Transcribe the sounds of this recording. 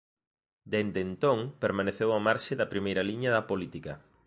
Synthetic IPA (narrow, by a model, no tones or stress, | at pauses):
d̪end̪ent̪oŋpeɾmaneθewɐmaɾʃɪðɐpɾimejɾɐliɲɐðɐpolit̪ikɐ